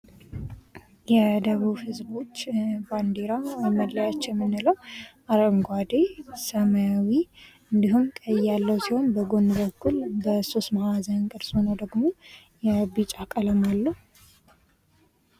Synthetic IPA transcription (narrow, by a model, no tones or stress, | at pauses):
jɛd̪əβuβhɨzbo̞t͡ʃːband̪eɾamədːajat͡ʃːjɛmːɨnːɨləwʔaɾəŋɡʷad̪esəmaawi | ɨnd̪iɦumkʼəjːalːəwsiho̞nbəɡonːɨβəkʰːulbəsosmahazənnkʼɨɾshonəwd̪əɡmo̞ | jɛbɨt͡ʃʼakʼələmalːəh